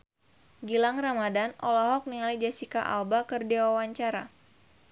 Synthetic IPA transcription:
ɡilaŋramadanʔɔlɔɦɔk̚niŋalid͡ʒasikaʔa̰lbakɨrdewawaɲt͡ʃaɾa

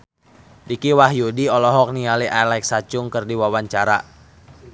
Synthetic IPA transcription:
dikiwaɦjudiɔlɔɦɔk̚nialiʔalajk̚sat͡ʃʊŋkɨrdiwawaɲt͡ʃaɾa

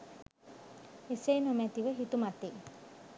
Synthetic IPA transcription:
eseːnomæt̪iʋəɦit̪umat̪eː

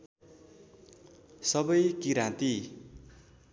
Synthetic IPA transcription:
sʌbʌjkiɾãt̪i

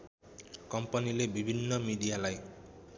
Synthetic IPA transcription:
kɔmpanilebibʱinːɔmid̪ijalaj

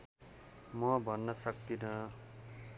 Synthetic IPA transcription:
mʌbʱʌnːʌsʌk̚t̪inʌ

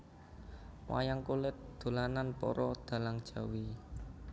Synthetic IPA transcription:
wa̰jaŋkulɪt̪̚d̪̥o̤lananpɔ̰ɾɔd̪̥a̤laŋd̥ʒ̥a̤wi

